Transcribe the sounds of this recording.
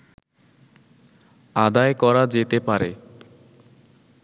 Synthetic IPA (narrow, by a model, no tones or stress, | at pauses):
ad̪aekɔɾad͡ʑet̪epaɾḛ